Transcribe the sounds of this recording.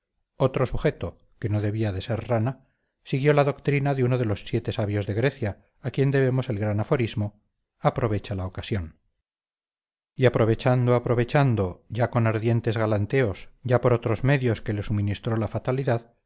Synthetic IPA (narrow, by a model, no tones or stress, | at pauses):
o̞t̪ɾo̞suχe̞t̪o̞ | ke̞no̞ðe̞βiaðe̞se̞ɾrana | siɣ̞jo̞laðo̞kt̪ɾinaðeuno̞ðe̞lo̞sːje̞t̪e̞saβjo̞zðe̞ɣɾe̞θjaː | kje̞nd̪e̞βe̞mo̞se̞lɣɾanafo̞ɾizmo | apɾo̞βe̞t͡ʃalaokasjo̞n | iapɾo̞β̞e̞t͡ʃand̪oapɾo̞β̞e̞t͡ʃand̪o̞ʝako̞naɾðje̞nt̪e̞zɣalant̪e̞osʝapo̞ɾot̪ɾo̞zme̞ðjo̞ske̞le̞suminist̪ɾo̞lafat̪aliðað